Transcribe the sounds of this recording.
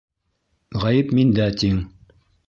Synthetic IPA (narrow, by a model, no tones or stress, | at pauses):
ʁæjɘpmind̪æt̪iŋ